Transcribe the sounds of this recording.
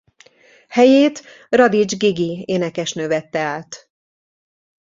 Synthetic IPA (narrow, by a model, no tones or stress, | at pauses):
hɛjeːt̪ | rɒd̪id͡ʒɡiɡieːnɛkɛʃnøvɛt̪ːɛaːt̪